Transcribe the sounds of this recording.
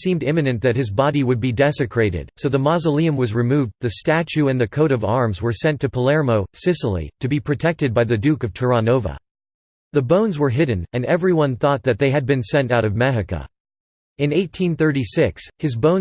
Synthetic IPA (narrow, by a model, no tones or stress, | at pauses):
sĩmdɪ̃mɨnɨ̃nðɨt̚hɨzbɑɾiwɨd̚bidɛsɨkʰɹ̥eɪɾɪ̰d̥soʊðəmɑzəlˠiɨ̃mwʌzɹɨmuvðɨstæt͡ʃʉɨ̃nðɨkʰoʊɾʌvɑɹmzwə˞sɛ̃ntʰɨpʰəlɛɹmoʊsɪsl̩ˠḭɾɨbipʰɹ̥ɨtʰɛk̚tɨd̚baɪðɨdʉkʌv̥tʰə˞ɑnoʊvə̰ | ðɨbõʊ̃nzwə˞ɦɪdⁿn̩ɨ̃nɛvɹiwʌ̃nθɔt̪̚ðɨt̪̚ðeɪɨd̚bɨ̃nsɛ̃ntaʊɾʌvmɛɦɨkə̰ | ɨ̃neɪtʰĩnθɜ˞ɾisɪkshɨzbõʊ̃